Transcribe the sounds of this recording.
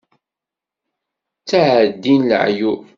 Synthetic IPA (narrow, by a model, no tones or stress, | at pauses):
t͡sːaʕəd̪ːinl̰ʕju